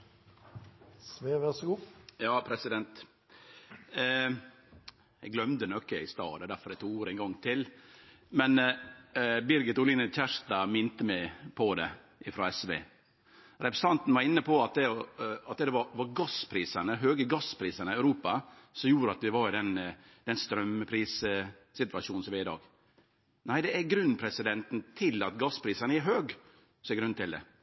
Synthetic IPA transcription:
sʋeʋæsɡuːjɑːpʰɾɛsɪd̪ɛnt̪ | jɛɡlœmd̪ənɔkːəɪst̪ɑ̰ːd̪ɛd̪æɾfɔɾd̪ɛɪt̪ʰuːɡuːɾɛɪŋɡɔŋːt̪ʰɪl | mɛn | bɪɾɡɪt̪ʊlɪnəçæʂt̪ɑmɪnt̪əmɛpʰɔd̪ɛ | ɪfɾɑ̰ːɛsʋḛː | ɾɛpɾəsɑnt̪n̩ʋɑɾɪnːəpɔɑt̪̚d̪ɛɔɑt̪̚ɛd̪ɛʋɑɾʋɑɾɡɑspʰɾiːsɑnəɦøːɡəɡɑspʰɾiːsɑnəæʉɾuːpɑsɔmjuːɾəɑt̪ʋɪʋɑɾɪd̪ɛn | d̪ɛnst̪ɾœməpʰɾiːs | sɪt̪ʋɑʃuːnsɔʋɪɪd̪ɑ̰ːɡ | næɪd̪ɛæɡɾʉnːpʰɾɛsɪd̪ɛnt̪n̩t̪ʰɪlɑt̪ɡɑspʰɾiːsɑnəæɦøːɡ | sɔɛɡɾʉnt̪ʰɪld̪ɛ̰

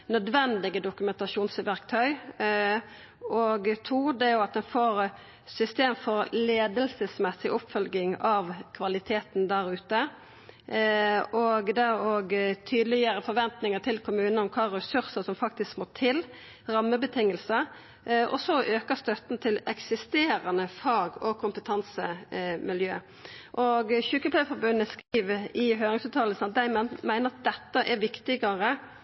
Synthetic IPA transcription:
nœd̪ʋɛnd̪ɪɡəd̪ʊkʉmɛnt̪ɑʂuːnsɪʋæʁkt̪ʰœʏ | ɔɡt̪ʰuːd̪ɛæjʊɑt̪̚d̪ɛnfoːɾ | sʏst̪eːmfɔɾleːd̪əlsəsmɛsːɪʔɔpfœlɡɪŋɑʋkʰʋɑlɪt̪ʰeːt̪nd̪æɾʉːt̪ə | ʔɔɡd̪æɾoɡt̪ʰyːd̪lɪəɾəfɔɾʋɛnt̪nɪŋət̪ʰɪlkʰʊmʉːnəɔmkʰɑːɾɛsʉɾsəsɔmfɑk̚t̪ɪskmoːt̪ʰɪl | ʁɑmːəbət̪ʰɪŋːəlsə | ʔɔ̰sɔʔøːkəɾst̪œt̪n̩t̪ʰɪlɛksɪst̪eːɾɑnəfɑːɡɔkʰʊmpət̪ʰɑnsəmɪljøː | ʔɔɡçʉːkəpʰlæfɔɾbʉnːəskɾiːʋɪɦøːʁɪŋsʉːt̪ʰɑːləsn̩ɑt̪̚d̪æɪmæɪnəɾɑt̪̚d̪ɛt̪ːəʔɛɾʋɪkt̪ɪɡəʁə

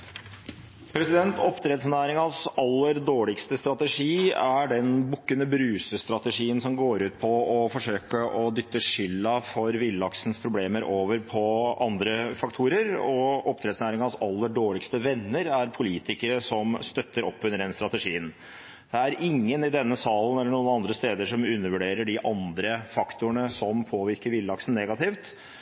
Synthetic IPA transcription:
pʰɾɛsɪd̪ɛnt̪ɔpːt̪ʰɾɛt̪snæːɾɪŋɑsɑlːəɾɖoːɭɪkst̪əst̪ɾɑt̪əʂiːæɖɛnbʊkːənəbɾʉːsəst̪ɾɑt̪əʂiːənsɔmɡoːɾʉːt̪̚pʰɔɔfɔʂøːkəʔɔd̪ʏt̪ːəʂʏlːɑfɔɾʋɪlːɑksnspʰɾʊbleːməɾoːʋəɾpʰɔɑnd̪ɾəfɑk̚t̪ʰuːɾəɾɔɔp̚t̪ʰɾɛd̪snæːɾɪŋɑsɑlːəɖoːɭɪkst̪əʋɛnːəɾæɾpʰʊliːt̪ɪkəɾəsɔmst̪œt̪ːəɾɔpːʉnəɾɖ̪ɛnst̪ɾɑt̪əʂiːən | d̪̥ɛæɾʔɪŋːənɪd̪ɛnːəsɑːln̩ɛlːəɳuːənɑnd̪ɾəst̪eːd̪əʂɔmʉnːəɾʋʉɖeːɾəɖɪʔɑnd̪ɾəfɑkt̪ʊəɳəsɔmpʰoːʋɪɾkəɾʋɪlːɑksn̩ːɛɡɑt̪ɪft̪

